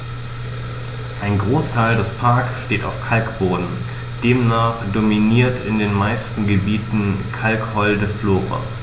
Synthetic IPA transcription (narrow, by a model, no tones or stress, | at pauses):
ʔaɪnɡʁoːstʰaɪldɛspʰaɐksʃteːta̰ʊfkʰalkb̥oːdn̩ | d̥eːmnaːχd̥ominiːɐtʰɪndeːnmaɪstn̩ɡəbiːtn̩kʰalkhɔldəfloːʁa̰